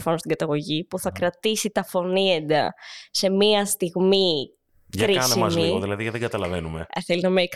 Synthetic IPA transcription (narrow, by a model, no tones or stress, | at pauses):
fɐnost̪iɡɐt̪ɐɣo̞ʝipuθɐkɾɐt̪isit̪ɐfo̞niend̪ɐ̰se̞miɐst̪iɣmi | ʝkɐɾiɐseimɐmzliiɣoðilɐðiɐðeŋɡɐt̪ɐlɐve̞nume̞̰θelinɐmek